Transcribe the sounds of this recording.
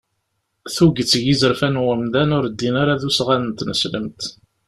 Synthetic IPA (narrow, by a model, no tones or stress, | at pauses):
θuɡət͡sːʝizəɾfænwəmd̪ænʊɾd̪ːinaɾaðusʁanənt̪nəsləmt̪